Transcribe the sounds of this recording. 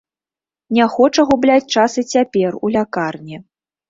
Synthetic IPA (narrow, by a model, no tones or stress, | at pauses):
nʲɛxɔt͡ʂɐɣublʲat͡sʲt͡ʂasɨt͡sʲapʲɛrulʲakarnʲi